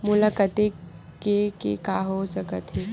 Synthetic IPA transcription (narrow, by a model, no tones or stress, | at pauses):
mʊlakət̪ekekḛkaɦosəkət̪ɦɛː